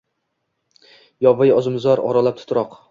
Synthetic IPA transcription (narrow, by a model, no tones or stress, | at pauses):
jɒvajɒzɪmzɒɾɒ̰ɾalap̚t̪ʰʊt̪ɾɒq